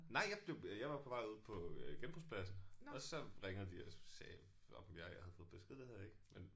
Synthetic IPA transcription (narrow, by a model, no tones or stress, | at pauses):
nɑ̈ɪ̰jɑ̈ɪb̥le̝ʊjɑɪʋɑ̈pʰɒ̽ʋɑ̈ɪ̰uð̞̰ˠpʰɒ̽ɡ̥enb̥ʁuspʰlæsn̩ɒ̽sɒ̽ʁeŋð̩ˠd̥iɒsɛː | ɒmjɑ̈ɪhæð̩ˠfɔ̽ðˠb̥esɡ̥eðˠd̥eheð̰ˠeɡ̥men